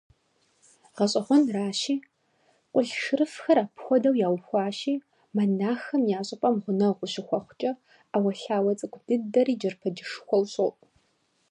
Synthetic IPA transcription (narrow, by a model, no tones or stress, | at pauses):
ʁɐɕʼɐχʷɔnraːʃiː | qʷʼʊɬʃɨɾɨfxɐɾaːpʰxʷɔdɐwjaːwxʷɑːʃiː | mɐnaːxɐmjaːɕʼɪpʼɐmʁʷʊnɐʁʷʊʃɪxʷɔχʷʊt͡ʃʼɐ | awɐɬaːwɐt͡sʼɨkʷʰʼd̥ɨdɐriːd͡ʒɐrpʰɐd͡ʒɪʂxʷɔwɕʼopʼ